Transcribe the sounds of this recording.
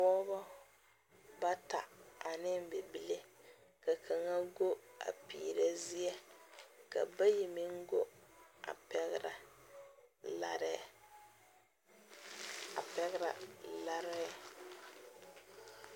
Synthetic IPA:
ɔː˦bɔ˦ | ba˦ta̰˨a˨nɪ˦m˦be˨bi˦le˦ | ka˨kʰa˨ŋa˦ɡo˦a̰˨pḭː˨ɾa˨zi˦ɛ˦ka̰˨ba˦ji˨mi˦ŋ˦ɡo˦a̰˨pɛ˦ɣɾa̰˨ | la̰˦ɾ | a̰˨pɛ˦ɣɪ˦ɾa̰˨la˦ɾɛ˦

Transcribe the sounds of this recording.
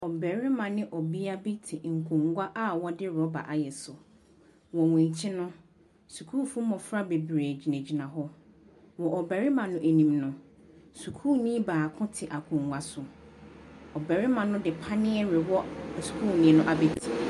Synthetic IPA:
ɔ˨bɛ˨ɾɪ˦mã˨nɪ̃˦ʔɔ˨bi˦a˦bi˦tʰɪ˨ŋ̩˨kʰʊ̃˨ŋɡʷa˦ʔa˦wɔ˦dɪ˦ɾɔ˦ba̰˨ʔa˨jɛ˨sʊ˨ | wɔ˨wɛ̃˨ɲ˨t͡ɕʰɪ˦nʊ̃˦ | su˨kʰu˦fũ˦mɔ̃˨fɾa˦be˨bɾeː˨d͡ʑi˨næ̃˨d͡ʑi˨nã˨ɦɔ˦ | wɔ˨ʔɔ˨bɛ˨ɾɪ˦mã˨nʊ̃˦ʔe˨nĩ˨mnʊ̃˦ | su˨kʰuː˦nĩ˦baː˨kʰʊ̃˦tʰɪ˨ʔa˨kʰʊ̃˨ŋɡʷa˨sʊ˨ | ɔ˨bɛ˨ɾɪ˦mã˨nʊ̃˦dɪ˨pʰa˦nɪ̃˦ɛ˦ɾɪ˨wɔ˦˨su̥˨kʰuː˦˨nĩ˦nʊ̃˦ʔa˨bi˦tʰi˨

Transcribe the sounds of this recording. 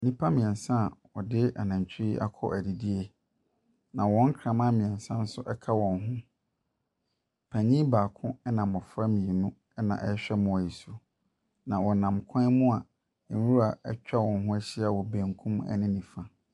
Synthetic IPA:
nĩ˦pʰa˦mĩ˨ɛ˨nsã˦˨wɔ˨dɪ˦a̰˨nã˨ɲ˨t͡ɕʰɪ˦i˦ʔa̰˦kʰɔ̰˦ʔæ˨di˨di˦e˦ | nã˨wɔ̃˨˦ŋ̩˦kʰɾã˨mã˦mĩ˨ɛ̃˨nsã˦n̩˦sʊ˦ʔɛ˦kʰa˦wɔ̃˨nɦʊ̃˦ | pʰæ˨ɲĩ˦baː˨kʰʊ̃˦ɛ˦nã˨mːɔ˨fɾa˦mĩ˨nũ˦ | ɛ˦nã̰˨ʔɛ˦ɕᶣɛ˦mʊ̃˨wa˨i˨su˨ | nã˨wɔ˨nã˨mkʰɔ̃˦mʊ̃˦ã˨˦ | wu˦ɾa˨ɛ˦t͡ɕᶣa˦wɔ̃˨nɦʊ̃˦æ˦ɕi˦a˨wɔ˨bẽ˨ŋkʰũ˦mɛ̰˦nɪ̃˦nĩ˨fa˨

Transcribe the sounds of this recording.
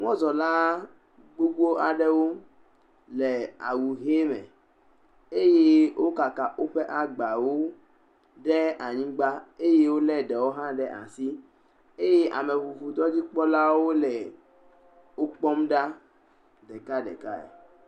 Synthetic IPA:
ŋɔ̃˦zɔ˨la˦ | ɡ͡bo˦ɡ͡bo˦a˨ɖɛ˦wo˦ | lɛ˨a̰˨wu˨ɦe˦mɛ̰˨ | e˦je˦wʔo˦ka˨ka˨ʔo˦ɸɛ˦ʔa˨ɡ͡ba˨wo˦ | ɖɛ˦a˨ɲĩ˦ɡ͡ba˦e˦je˦wo˦lɛ˦ɖɛ˨wo˦ɦã˦ɖɛ˦ʔa̰˨si˦ | e˦je˦ʔa̰˨me˨vu˨vu˨d̪ɔ˦d͡ʑi˦k͡pɔ˦la˦wo˦lɛ˨ | wo˦k͡pɔ˦mɖa˦ | dɛ˨ka˦ɖɛ̰˨ka̰˦ɛ̰˨

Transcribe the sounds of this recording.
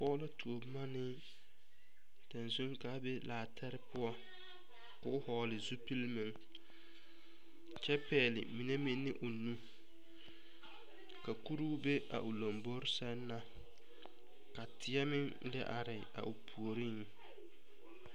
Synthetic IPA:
pɔː˦la˦tʰu˨o˨bma˦nɪ˦ | ta˨nsu˦ŋka˦be˦laː˨tʰa˦ɾɪ˦pʊ˦ɔ˦ | kʊ˦hɔː˨lɪ˨zu˦pi˦lmɪ˨ŋ | t͡ʃɛ˦pɛː˨lɪ̰˨mi˨ne˦mɪ˦nːɪ˦ʔʊ˨nu˦ | ka˨ku˦ɾuː˦be˦ʔa̰˨ʔʊ˨lo˨mbo˦ɾɪ˦sɛ˦nː˦a˦ | ka˨tʰɪ˦ɛ˦mɪ˦ŋ | dɪ̰˦ʔa˨ɾɪ˨a̰˨ʔʊ˨pʰu˨o˨ɾi˦ŋ˨

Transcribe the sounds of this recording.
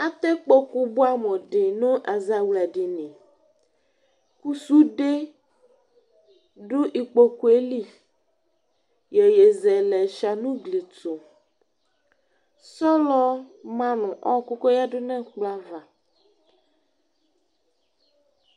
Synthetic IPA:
a˦t̪ɛ˦k͡po˦ku˦bu˦a˦mɔ̃˨ɖɪ˨nʊ̃˦ʔa˨za˨wla˨di˨nĩ˨ | ku˦su˦ɖe˦ | ɖʊ˦ʔi˨k͡po˦ku˨e˦li˦ | je˨je˨zɛ˨lɛ˨ʃa˨nũ˦ɡli˨to˨ | sɔ˦lɔ˦mã˦nʊ̃˨ʔɔ˦˨ku˦ko˦ja˦ɖʊ˦nɛ̃˦k͡pla˦va˨

